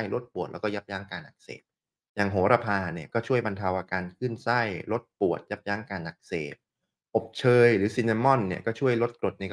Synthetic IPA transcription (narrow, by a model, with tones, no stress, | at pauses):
jlo˦˥t̪̚pu˨˩t̪̚lɛ˦˥kɔː˥˩ja˦˥p̚jaː˦˥ŋkaː˧nʔa˨˩k̚sḛː˨˩t̪̚ | jaː˨˩ŋɦoː˩˦ɾa˧pʰaː˧ni˥˩ɐkɔː˥˩t͡ɕʰu˥˩əjba˧nt̪ʰa˧wʔaː˧kaː˧nkʰɯ˥˩nsa˥˩jɾo˦˥t̪̚pu˨˩ət̪̚ja˦˥p̚jaː˦˥ŋkaː˧nʔa˨˩k̚seː˨˩t̪̚ | ʔo˨˩p̚t͡ɕʰɤː˧jɾɯː˩˦si˧naː˧mɔ˥˩nːi˥˩ɐkɔː˥˩t͡ɕʰu˥˩əjlo˦˥t̪̚kɾo˨˩t̪̚na˧k